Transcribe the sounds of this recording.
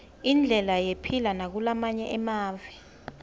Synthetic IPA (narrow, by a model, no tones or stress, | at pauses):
ind͡ɮʱɛlajepʰilanak̬ulamaɲɛʔɛmaːvɛ